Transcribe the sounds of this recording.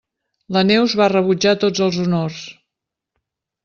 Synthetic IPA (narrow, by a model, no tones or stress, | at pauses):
lənɛwzβarəβud͡ʒat̪od͡zəlˠzunors